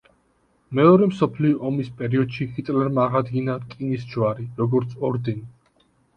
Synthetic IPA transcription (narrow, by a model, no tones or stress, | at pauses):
mɛɔɾɛmsɔpʰliɔʔɔmispʼɛɾiɔd̪̥ʃihit̪ʼlɛɾmaːʁad̪ɡinakʼinisd͡ʒwaɾiɾɔɡɔɾt̪sʰɔɾd̪ɛni